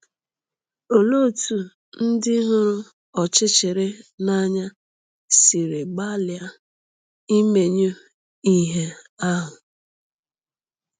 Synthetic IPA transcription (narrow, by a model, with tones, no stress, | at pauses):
o˨lo˦˨tu˨ | n̩˦dɪ˦ɦʊ˦ɾʊ˦ | ɔ˨t͡ʃɪ˦t͡ʃe˨ɾe˦na˦ɲa˦ | si˨ɾe˨ɡ͡ba˦lɪ˨a˦ | i˦me˨ɲo˦ | i˦ɦe˦ | a˦ɦʊ˨